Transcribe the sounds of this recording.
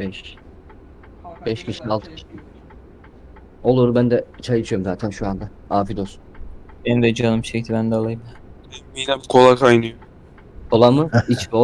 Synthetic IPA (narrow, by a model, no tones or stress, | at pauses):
bɛʃ | bɛʃkcʰiʃialˠt̪ʰɯ̥iʃ | olˠuɾubænd̪ɛt͡ʃʰajɯt͡ʃʰɯjoɾmzaːt̪ʰænʃuand̪a | aːfid̪osubenid̪ɛd͡ʒanɯmʃɛct̪ʰibænd̪alˠajɯmd̪abebijlɛbikʰolˠakʰajnɯjo | kʰo̞lˠamɯit͡ʃbo